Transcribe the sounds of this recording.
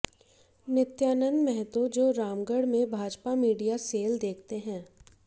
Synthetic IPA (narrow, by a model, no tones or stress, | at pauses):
nɪt̪jaːnə̃nd̪mɛɦt̪od͡ʒoːɾaːmɡəɽmẽbʱaːd͡ʒpamiːɖijaseːld̪eːkʰt̪eɦɛ̃ː